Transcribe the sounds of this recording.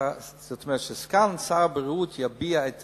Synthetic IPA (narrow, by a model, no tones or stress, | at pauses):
zɔt̪mɛʃəskalnsabəɾuːtʰjabiːaɪt